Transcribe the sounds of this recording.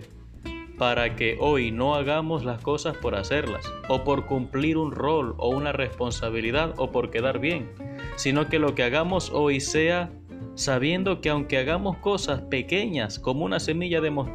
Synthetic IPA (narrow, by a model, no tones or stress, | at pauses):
paɾake̞ʔo̞jno̞aɣamo̞slasko̞saspo̞ɾase̞ɾla̰so̞po̞ɾkumpliɾunro̞lo̞̰unare̞spo̞nsaβ̞iliðaðo̞po̞ɾke̞ðaɾβje̞ŋ | sino̞ke̞lo̞keaɣamo̞so̞jse̞a | saβ̞je̞nd̪o̞keawŋke̞aɣamo̞sko̞saspe̞ke̞ɲasko̞mounase̞miʝaðe̞mo